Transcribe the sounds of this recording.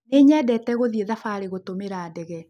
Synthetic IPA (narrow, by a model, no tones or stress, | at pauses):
neɲɛdɛtɛɣoðieðafaɾeɣotomeɾaːdɛɣɛ